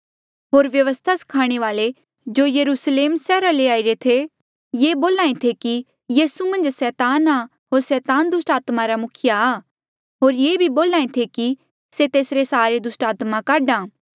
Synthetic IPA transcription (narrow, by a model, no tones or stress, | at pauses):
ɦoːɾʋjɐʋəst̪ʰasɐ̥kʰaːɽ̃eʋaːle | d͡ʒoːjɐɾuːsleːmsɛːɾaleaːɪɾet̪ʰe | jeːboːlaːẽt̪ʰeki | jiːsumɐ̃nd͡ʒsɛːt̪aːna | ɦoːɾsɛːt̪aːnd̪ʊsʈaːt̪maɾamʊkʰɪjaː | ɦoːɾjeːbʱiboːlaːẽt̪ʰeki | set̪eːsɾesaːɾed̪ʊsʈaːt̪makaːɖãː